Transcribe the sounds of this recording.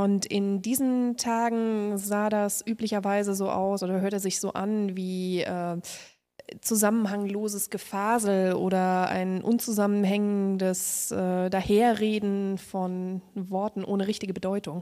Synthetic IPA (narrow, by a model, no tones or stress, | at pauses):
ʔʊntʰɪndiːzn̩tʰaːɡŋ̩zaːdasʔyːplɪçɐvaɪzəzoːʔa̰ʊsʔoːdɐɦøɐtəzɪçz̥oːʔanviːʔɛː | t͡suzamən̩ɦaŋloːzəsɡ̥əfaːzl̩ʔo̰ːɾɐʔa̰ɪnʔʊ̰nt͡suzamən̩ɦɛŋəndəsʔɛːdaːheːɐʁeːdn̩fɔnvɔɐtn̩ʔo̰ːnəʁɪçtɪɡəbədɔʏtʊŋ